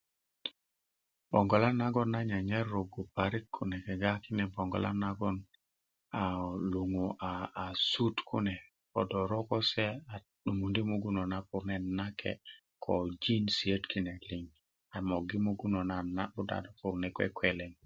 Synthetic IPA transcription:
po˨ŋɡo˨la˦na˦ɡɔ˦na˦ɲa˨ɲe˦ɾːo˨ɡu˨pa˨ɾi˦t̚kʰu˨nɛ˨ke˨ɡa˦ki˦nɛ˨bo˨ŋɡo̰˨la̰˦na˦ɡɔ˦n | a˨lu˨ŋu˨ʔaː˨su˦tkʰṵ˦nɛ˨ | po̰˨do˨ɾo˦ko˦se˦a˨ | ɗu˨ŋu˨ndi˦mu˦ɡu˦no˨na˦pu˨ɾne˦na˦kʰḛ˨ | kʰo˨d͡ʒi˦nsi˨e˦tki˦ne˨kli˨ŋ | a˨mo˨ɡi˦mu˦ɡu˦no˨na˦na˦bu˦da̰˨da˨pu˨ɾnɛ˨kwḛ˦kwe˨le˨ŋ

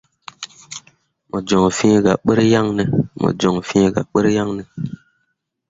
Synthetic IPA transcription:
mo˨d͡ʒo˨ŋfĩ˦˨ɡa˨ɓə˦ɾja˦ŋne˨mo̰˨d͡ʒo˨ŋfĩ˦ɡa̰˨ɓə˦ɾja˦ŋne˨

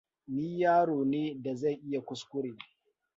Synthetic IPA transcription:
niː˦jaː˦ɽoː˨neː˦da˨za˦˨jʔɪ˦ja˨kʷʊ˦skʷʊ˦ɽeː˨

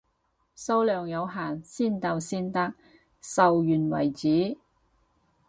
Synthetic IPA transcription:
so˥wlœː˨ŋjɐ˨˧wɦaː˨˩nsiː˥˩nt̪ɐ˧wsiː˥nt̪ɐ˥k̚ | sɐ˨wjyː˨˩nwɐ̰˨˩jt͡siː˨˥

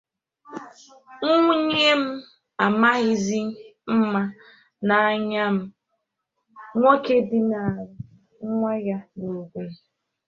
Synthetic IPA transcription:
ŋ̩˦ŋʷu˦ɲe˦m̩˦ | a˨ma˦ɣɪ˨zi˦m̩˦ma˦ | na˨a˨ɲa˦m̩˦ | ŋʷo˦ke˦bi˦na˨ɾʊ˦ | ŋ̩˦ŋʷa˦ɣa˦no˨ɡʷe˨

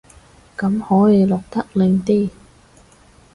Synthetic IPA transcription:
kɐ˨˥mhɔː˨˥jiː˨˧lɔː˨˩k̚t̪ɐ˥k̚lɪ˨˧ŋt̪iː˥˩

